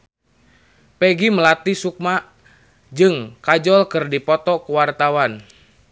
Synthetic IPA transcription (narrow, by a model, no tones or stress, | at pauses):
pɛɡiməlat̪isuk̚ma | d͡ʒɨŋkad͡ʒɔlkɨrdipɔt̪ɔkuwart̪awan